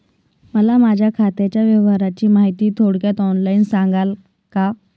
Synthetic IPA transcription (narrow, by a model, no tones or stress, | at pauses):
məlamad͡ʑʱjakʰat̪jat͡ɕjaʋjəʋɦaɾat͡ɕiːmaɦit̪iːt̪ʰoɽkjat̪ɔnlainsaŋɡal | ka